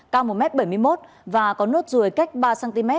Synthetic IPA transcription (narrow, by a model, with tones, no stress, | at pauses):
kaː˧wmo˨˩mɛ˦˥t̚ɓə˧˩jmɨ˧əjmo˦˥t̚ | vaː˨˩kɔ˨˦no˦˥t̚zu˨˩əjka˦˥k̟̚ɓaː˧saː˧nt̪i˧mɛ˦˥